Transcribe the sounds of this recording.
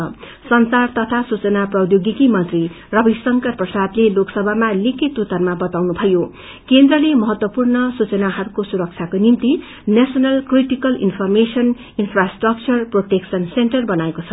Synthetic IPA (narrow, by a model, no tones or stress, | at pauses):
ʌ | sʌnsart̪ʌt̪ʰasut͡sʌnaprʌd̪joɡikimʌnt̪ri | rʌbisʌŋkʌrprʌsad̪leloksʌbʱamalikʰit̪ut̪ʌrmabʌt̪awnubʱʌjo | kend̪rʌlemʌɦʌt̪wʌpurnʌsut͡sʌnaɦʌɾukosuɾʌk̚t͡sʰjakonimt̪i | nesʌnʌlkriʈikʌlḭnpʰʌrmesʌn | inpʰrasʈrʌk̚t͡sʌrproʈeksʌnsenʈʌrbʌnaekot͡sʰʌ